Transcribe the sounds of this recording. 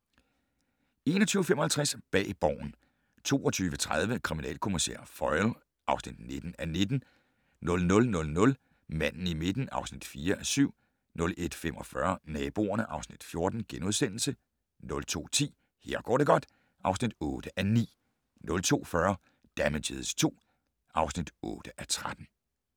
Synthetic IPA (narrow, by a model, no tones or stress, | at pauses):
e̝ːnɒt͡sʰyːəfemɒ̽hælt͡sʰʁasb̥ɛ̰ːb̥ɒ̰ːn̩ | t͡sʰo̝̰ːɒ̽t͡sʰyːʋət͡sʰʁað̞ˠʋəkʰʁiminɛ̰ːlkʰo̝misḛɐ̰fɒɪl | ʔɑ̈ʊsnid̥ne̝d̥n̩æne̝d̥n̩ | nɔ̽lnɔ̽lnɔ̽lnɔ̽l | mæn̰n̩ime̝d̥n̩ɑ̈ʊsnid̥fiːɐʔæsyʊ̰ | nɔ̽le̝d̥fem̰ɒ̽fɶɐnɛːb̥o̝̰ːɐnəʔɑ̈ʊsnid̥fjo̝ɐd̥n̩ɡ̥enuðˠsen̰l̩sə | nɔ̽lt͡sʰo̝̰ːt͡sʰḭː | he̝ɐ̰ɡ̥ɒ̰ːɾ̥e̝ɡ̥ɒ̽d̥ | ʔɑ̈ʊsnid̥ɔ̽ːd̥əʔænḭː | nɔ̽lt͡sʰo̝̰ːfɶɐ | d̥æmeɕeðˠst͡sʰo̝̰ː | ɑ̈ʊsnid̥ɔ̰̽ːd̥əʔæt͡sʰʁad̥n̩